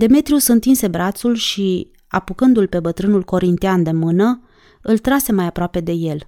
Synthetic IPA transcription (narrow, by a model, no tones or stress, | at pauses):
d̪e̞me̞t̪ɾiusɨnt̪inse̞bɾat̪sulʃi | a̰pukɨnd̪ulpe̞bət̪ɾɨnulko̞ɾint̪iand̪e̞mɨnə | ɨlt̪ɾase̞majapɾoape̞d̪e̞je̞l